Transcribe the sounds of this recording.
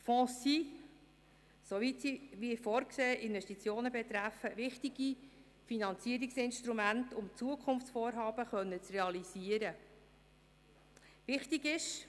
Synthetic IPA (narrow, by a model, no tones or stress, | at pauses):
fɔ̃ːsi | soʋitsiʋiɪfɔːɾkseːʔɪnvɛʃtit͡sjoːnəbɛt̪ɾæfːəʋɪχtiɡi | finɑnt͡siːəɾiksɪnʃtɾumæntʊmt͡suəkʰʊnft͡sfoːɾɦɑːb̥əχœnːət͡srɛɑliziəɾə | ʋɪχtiɡɪʃ